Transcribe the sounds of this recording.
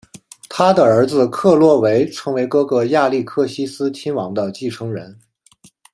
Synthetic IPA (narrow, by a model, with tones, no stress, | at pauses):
t̪ʰa˥d̪ə˨ə˞˧˥d͡zɹ̩˧kʰɤ˥˧lwɔ˥˩we˧˥ɪʈ͡ʂʰɤ˧˥ŋwe˧˥ɪkɤ˥kɤ˧˥ja˥˧li˥˧kʰɤ˥˩ɕi˥sɹ̩˥t͡ɕʰi˥nwɑ˧˥ŋd̪ə˧t͡ɕi˥˩ʈ͡ʂʰɤ˧˥ŋɻə̰˧˥n